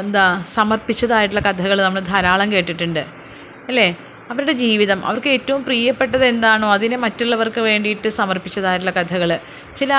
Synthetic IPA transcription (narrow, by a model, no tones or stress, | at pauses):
nd̪aːsɐmɐrpːit͡ɕːɐðaːjiʈːilːɐkɐd̪ʱɐɣɐɭnɐmːɐɭd̪ʱɐɾaːɭɐmke̞ːʈːiʈːuɳɖɨ | ɐlːe̞ | ɐʋɐɾuɽe̞d͡ʑiːʋiðɐmʔɐ̰ʋɐrkɨe̞ːtːɐʋumpriːjɐpːe̞ʈːɐðe̞nd̪aːɳoːɐðinemɐtːuɭːɐʋɐrkɨʋe̞ːɳɖijiʈːɨsɐmɐrpit͡ɕːɐðaːjiʈ̬ːilːɐkɐd̪ʱɐɣɐɭ | t͡ɕilɐ